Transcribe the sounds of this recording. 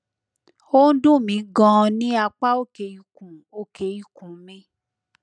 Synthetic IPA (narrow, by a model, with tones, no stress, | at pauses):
o˦n̩˦dũ˦˨mĩ˨˦ɡɔ̃˦˧nĩ˦a˧k͡pa˦o˦˨ke˨ji˨kũ˨o˦˨ke˨ji˨kũ˨˦mĩ˧˦